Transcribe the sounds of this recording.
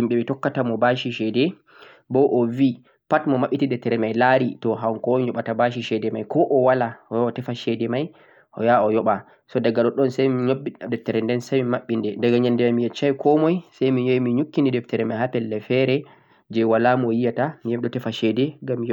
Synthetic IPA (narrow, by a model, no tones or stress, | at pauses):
imɓɛmɛtɔkːatamɔbaʃiʃɛdɛ | bɔʔɔvi | patmɔmaɓːitidɛtːɛɾɛmajlaɾitɔɦaŋkɔjɔɓatabaʃ̬iʃɛdɛmajkɔʔɔwalaɔjaɔtɛfaʃɛdɛmaj | ʔɔ̰jaɔjɔɓa | sɔdaɡaɗɔɗɔnsajmiɲobːidɛtːɛɾɛndɛnsajmimaɓːindɛdɛɡaɲandɛmamijɛt͡ʃːajkʰɔmɔjsajmiɲoimiɲukːindidɛftɛɾɛmajhapɛlːɛfɛɾɛ | d͡ʒɛwalamuɔjijatamijɛmɗɔtɛfaʃɛdɛŋɡamːij